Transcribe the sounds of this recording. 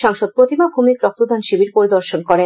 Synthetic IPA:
ʃaŋʃod̪̚pɾot̪ibabʱumikɾɔk̚t̪od̪ʱanʃibiɾpoɾid̪oɾʃonkɔɾe

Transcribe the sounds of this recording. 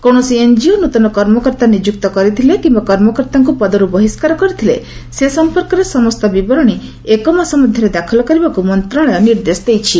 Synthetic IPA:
kɔɽ̃ɔsiend͡ʒionut̪ɔnɔkɔɾmɔkɔɾt̪anid͡ʒuk̚t̪ɔkɔɾit̪ʰilekimbakɔɾmɔkɔɾt̪aŋk̬upɔd̪ɔɾubɔɦiskaɾɔkɔɾit̪ʰilḛsesɔmpɔɾkɔɾesɔmɔst̪ɔbibɔɾɔɽ̃i | ekɔmasɔmɔd̪ʱjɔɾed̪akʰɔlɔkɔɾibakumɔnt̪ɾɔɽ̃ɔjɔniɾd̪esɔd̪ejt͡ʃʰi

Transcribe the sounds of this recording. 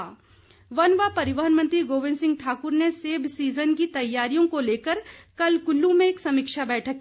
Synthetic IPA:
ʋɐnʋapɐɾɪʋəɦənmə̃nt̪ɾiɡoːʋɪ̃nsɪ̃ŋɡ̚ʈʰaːkʊɾneseːbsiːzənkit̪ɐjːaːɾijõkoleːkəɾkɐlkʊlːumẽeːksɐmɪkʃabɛːʈʰəkː

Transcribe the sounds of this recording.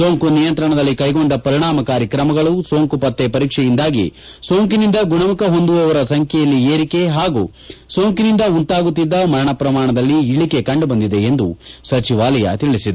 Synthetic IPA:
so̞ːŋkunijɐnt̪ɾɐɳɐd̪ɐlːikɐjɡo̞nd̪ɐpɐɾiɳaːmɐkaːɾjɐkɾɐmɐɡɐɭuso̞ːŋkupɐt̪ːepɐɾiːkʂɛjind̪aːɡḭ | so̞ːŋkinind̪ɐɡuɳɐmukɐɦo̞nd̪uʋɐʋɐɾɐsɐŋkʰɛjɐlːieːɾike̞ɦaːɡuː | so̞ːŋkinind̪ɐunt̪aːɡut̪ːid̪ːɐmɐɾɐɳɐpɾɐmaːɳɐd̪ɐlːiːɭike̞kɐɳɖubɐnd̪id̪e̞end̪usɐt͡ʃiʋaːlɐjɐ̰t̪iɭisid̪u

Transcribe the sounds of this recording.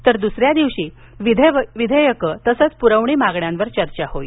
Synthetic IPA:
t̪əɾd̪usɾjad̪iʋɕiː | ʋid̪ʱʋid̪ʱəjəkət̪əsət͡spuɾəʋɳiːmaɡɳjãnʋəɾt͡ɕəɾt͡ɕahoj

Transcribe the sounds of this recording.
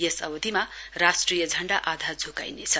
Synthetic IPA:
jesʌbʌd̪ʱimarasʈrijʌd͡zʱʌɳɖaʔad̪ʱad͡zʱoka̰jnet͡sʰʌ

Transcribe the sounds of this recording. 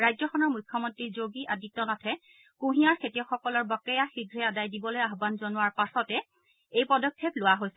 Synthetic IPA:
ɹajzɔxɔnɔɹmujkʰːɔmɔntɹizoɡiʔadit̚tːɔnatʰɛ | kũɦiaɹkʰetiɔxɔkɔlɔɹbɔkɛjaxiɡʱɹɛadajdibɔlojaɦbanzɔnʊwaɹpasɔtɛ | ejpɔdɔkʰːeplʊwaɦojsɛ

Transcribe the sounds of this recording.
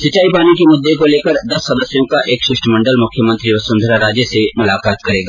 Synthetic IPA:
sɪt͡ʃaːipaːnikemʊd̪ːekoleːkəɾd̪ɐsːɐd̪əsjõkaʔeːkʃɪʃʈmɐ̃ɳɖəlmʊkʰjəmə̃nt̪ɾiʋɐsʊ̃nd̪ʱɾaɾaːd͡ʒjəsemʊlaːkaːt̪kɐɾeːɡaː

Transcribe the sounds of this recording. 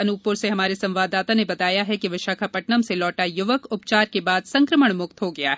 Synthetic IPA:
ɐnupʊɾseɦɐmaːɾesɐ̃mʋaːd̪ːaːt̪anebɐt̪aːjaɦɛkiʋɐʃaːkʰapɐʈnəmselɔːʈajʊʋəkʊp̚t͡ʃaːɾkebaːd̪sɐ̃ŋkɾəməɽ̃mʊk̚t̪ɦoɡɐja̰ːɦɛ

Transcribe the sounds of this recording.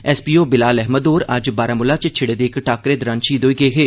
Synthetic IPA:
ɛːspiːoːbɪlaːlɛɦməd̪oːɾɐd͡ʒbaːɾaːmʊlaːt͡ʃt͡ʃʰɪɽeːd̪eːkʈaːkɾeːd̪ɾanʃiːd̪oːiɡəeɦeː

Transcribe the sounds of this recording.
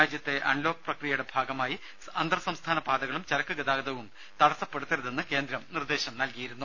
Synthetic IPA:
aːd͡ʑjɐt̪ːe̞ʔɐɳlo̞ːkɐprɐkrijɐjɽe̞bʱaːɡɐmaːji | ɐnd̪rɐsɐmst̪ʰaːnɐpaːd̪ɐɣɐɭumt͡ɕɐɾɐkːɨɡɐd̪aːɡɐd̪ɐʋum | t̪ɐɽɐsːɐpːeɽut̪ːɐɾuðe̞nːɨke̞ːnd̪ɾɐmnird̪e̞ːɕɐmnɐlkijiɾunːu

